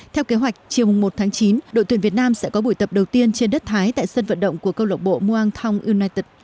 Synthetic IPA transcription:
t̪ʰɛ˧wke˨˦ɦwa˨˩jk̟̚t͡ɕi˨˩əwmʊ˨˩ŋ͡mmo˨˩t̪̚ʰaː˨˦ŋt͡ɕi˨˦nɗo̰˧˨t̪wi˧˩nvi˨˩ət̚naː˧msɛ̰˧˥kɔ˨˦ɓu˧˩jt̪ə˨˩p̚ɗə˨˩wt̪i˧ənt͡ɕe˧nɗə˦˥t̚t̪ʰaː˨˦jt̪a̰ː˧˨jsə˧nvə̰˧˨nɗə̰˧˨wŋ͡mku˧˩əkə˧wlə˨˩k͡p̚ɓo̰˧˨mu˧ʔaː˧ŋt̪ʰa˧wŋ͡mʔi˧wnaː˧jt̪i˨˩t̚

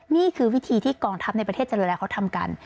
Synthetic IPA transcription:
niː˥˩kʰɯː˧wi˦˥t̪ʰiː˧t̪ʰiː˥˩kɔː˧ŋt̪ʰa˦˥p̚na˧jpɾt̪ʰe˥˩t̚t͡ɕa˨ɾɯː˧˩˨lɛː˦˧wkʰa˦˥t̪ʰa˧mka̰˧n

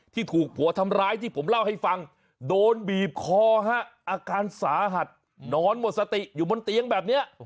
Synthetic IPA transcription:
t̪ʰiː˥˩t̪ʰuː˨˩k̚pʰu˩˦ɐt̪ʰa˧mɾaː˦˥jt̪ʰiː˥˩pʰo˩˦mla˥˩wha˥˩jfa˧ŋ | doː˧nbiː˨˩p̚kʰɔː˧˩ɦa˦˥˩ʔaː˧kaː˧nsaː˩˦ɦa˨˩t̪̚ | nɔː˧˥nmo˨˩t̪̚sa˧t̪i˨˩ʔjuː˨˩bo˧nt̪i˧əŋbɛː˨˩p̚ni˦˥ɐʔ

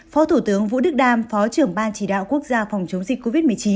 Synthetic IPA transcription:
fɔ˨˦t̪ʰu˧˩t̪ɨ˨˦əŋvṵ˧˥ɗɨ˦˥k̚ɗaː˧mfɔ˨˦t͡ɕɨ˧˩əŋɓaː˧nt͡ɕi˧˩ɗa̰ː˧˨wku˦˥ək̚zaː˧fa˨˩wŋ͡mt͡ɕə˨˦wŋ͡mzï˨˩k̟̚ko˧vi˦˥t̚mɨ˨˩ət͡ɕi˨˦n

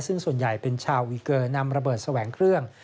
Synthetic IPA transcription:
sɯ˥˩ŋsu˨˩ənja˨˩jpe˧nt͡ɕʰaː˧wːiː˧kɤː˧na˧mɾa˧bɤː˨˩t̪̚sa˧wɛː˩˦ŋkʰɾɯ˥˩əŋ

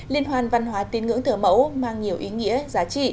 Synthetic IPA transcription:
li˧ənɦwaː˨˧˩nva˧nɦwaː˨˦t̪i˨˦nŋɨ̰˧˥əŋt̪ʰɨ˧˩əmə̰˧˥wmaː˧ŋɲi˨˩əwʔi˨˦ŋḭ˧˥əzaː˨˦t͡ɕḭ˧˨

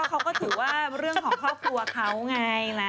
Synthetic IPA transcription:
ɛ˦˥wkʰa˦˥wkɔː˥˩t̪ʰɯː˩˦waː˥˩ɾɯ˥˩əŋkʰɔː˨˩˦ŋkʰɾɔː˥˩p̚kʰlu˧ɐkʰa˦˥wŋa˧jna˦˥

